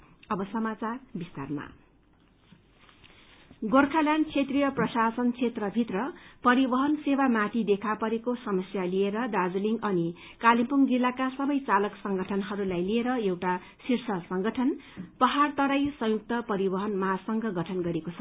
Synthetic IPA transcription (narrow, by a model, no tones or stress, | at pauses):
ʌbʌsʌmat͡sarbist̪a̰rma̰ | ɡorkʰaljant͡sʰet̪rijʌprʌsasʌnt͡sʰet̪rʌbʱit̪rʌpʌɾibʌɦʌnsewamat̪id̪ekʰapʌɾekosʌmʌsjalieɾʌd̪ad͡zliŋɡʌni | kalimpuŋd͡zilːakasʌbʌjt͡salʌksʌŋɡʱʌʈʰʌnɦʌɾulajlieɾʌewʈa | sirsʌsʌŋɡʌʈʰʌnpʌɦart̪ʌɾajsʌ̃juk̚t̪ʌpʌɾibʌɦʌnmasʌŋɡʌɡʌʈʰʌnɡʌɾekot͡sʰʌ